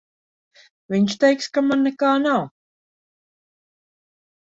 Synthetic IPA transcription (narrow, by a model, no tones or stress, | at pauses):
vɪnʲʃt̪ɛjkskamanːɛkaːnaw